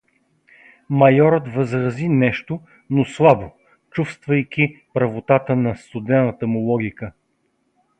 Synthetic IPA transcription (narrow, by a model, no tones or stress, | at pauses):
mɐjɔɾət̪vəzɾɐzinɛʃt̪o | noslˠabo | t͡ʃufst̪vɐjk̟ʲipɾɐvot̪at̪ənɐst̪ʊd̪ɛnːət̪əmʊlˠɔɡʲikə